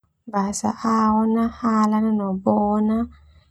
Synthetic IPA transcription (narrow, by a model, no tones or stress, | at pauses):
basa̰ʔawɔnahalananɔbɔːna